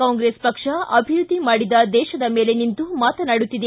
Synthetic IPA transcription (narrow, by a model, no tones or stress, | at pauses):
aːŋɡɾespɐkʂɐɐbʱiɾud̪ʱːimaːɽid̪ɐd̪ɛːʃɐd̪ɐme̞ːle̞nint̪umaːt̪ɐnaːɽut̪ːid̪e